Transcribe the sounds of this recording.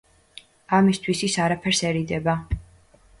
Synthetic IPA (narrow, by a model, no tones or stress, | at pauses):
amist̪ʰwisisaɾapʰɛɾsɛɾid̪ɛba